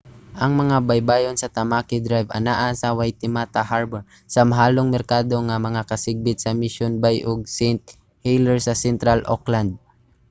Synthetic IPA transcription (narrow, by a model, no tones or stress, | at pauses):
ʔɐŋmɐŋabajbaːjonsɐt̪ɐmaːkɪd̪ɾajvɐ̰naʔasɐwajt̪ɪmat̪ahaɹbɛɹ | sɐmɐɦaːloŋmɛɾkaːd̪o̞ŋɐmɐŋakɐsɪɡ̚bɪt̪̚sɐmɪʃjonbajʔoɡ̚sɛjnt̪̚ | hɛjlɛɹsɐsɛnt̪ɾalʔo̰kland̪̚